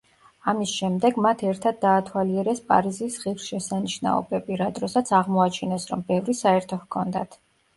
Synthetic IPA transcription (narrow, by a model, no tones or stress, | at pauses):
amisʃɛmd̪ɛɡmat̪ʰɛɾt̪ʰad̪ːaːt̪ʰwaliɛɾɛspʼa̰ɾizisʁivsʃɛsaniʃna̰ɔ̰bɛbiɾad̪ɾɔsat̪sʰaʁmɔat͡ʃʰinɛsɾɔmbɛvɾisaɛɾt̪ʰɔhkʰɔnd̪a̰t̪ʰ